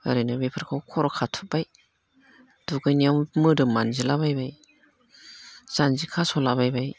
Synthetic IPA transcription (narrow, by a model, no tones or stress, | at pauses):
a̰ɾɯnɯbepʰaɾkʰawkʰɔɾɔkʰatʰubaj | d̥uɡɯjniawmɯdɯmanzilabajbaj | z̥anzikʰasɔlabajbaj